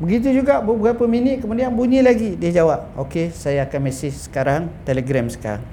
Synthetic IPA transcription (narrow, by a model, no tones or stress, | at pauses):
bəɡit̪̬ud͡ʒuɡaʔbəbuɡapəminɪʔkəmudianbuɲĩlaɡidiad͡ʒawap̚okesajaːkanmɛsɪhsə̥kaɾaŋt̪ɛleɡɾɛmsə̥ka̰ɾa̰ŋ